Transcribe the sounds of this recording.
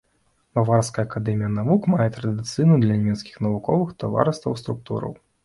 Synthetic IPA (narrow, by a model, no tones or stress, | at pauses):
mavarskɐjɐːkad̪ɛmʲijɐnavukmajɛt̪ɾɐd̪ɨt̪sɨjnud̪lʲɐnʲmʲɛt̪skʲi̥xnɐvukɔvɨxt̪ava̰ɾɨst̪vɐwst̪ɾuk̚t̪ṵɾɐ̰w